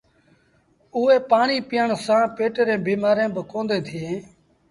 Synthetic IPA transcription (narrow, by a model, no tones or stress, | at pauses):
ʊːɦeːpaːɳiːpɪjəɳsãːpeːʈɾẽːbiːmaːɾẽːbəkõːnd̪ẽːt̪ʰiẽː